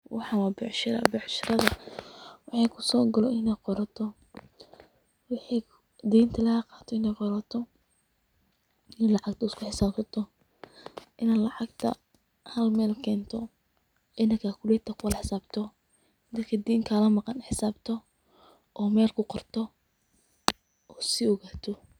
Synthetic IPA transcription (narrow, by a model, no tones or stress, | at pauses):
wɑ̰ħɑnwabɛʕʃɪɾɐ̰bɛʕʃɪɾɐðɐ | wɑħɑkʰʊsɔːɡɐlɔʔɪnɛqɔɾɐt̪ʰɔ | wɑħi | d̪iːnt̪ʰɐlɐhɐqɑːt̪ʰɔɪnɛjqɔɾɐt̪ʰɔ | ɪnlɑʕɑɡ̚t̪ʰɐɪskʰʊħɪsaːbsɐt̪ʰɔ | ʔɪnalɑʕɑɡt̪ʰɐ̰ | hɐlmɛːlkʰɛːnt̪ʰɔ | ʕɪnɐkʰakʰʊlɛt̪ʰːɐkʰʊwɐlħɪsaːbt̪ʰɔ | d̪ɐt̪kʰɐd̪iːŋkʰɐlɐmɑqɑnħɪsaːbt̪ʰɔ | ʔɔːmɛːlkʰʊqɔrt̪ʰɔ | ʔɔːsɪɔɣaːt̪ʰɔ